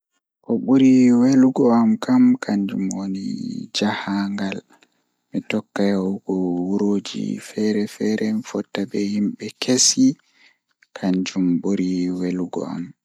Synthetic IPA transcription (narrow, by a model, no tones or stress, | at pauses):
ʔɔɓuɾiweluɡɔamkʰamkʰaɲd͡ʒumwonḭd͡ʒahaŋɡal | mitɔkːajaɡɔwuɾoːd͡ʒḭfɛɾɛfɛɾʔɛmfɔtːabɛhimɓɛkesi | kʰaɲd͡ʒumɓuɾiweluɡɔ̰a̰m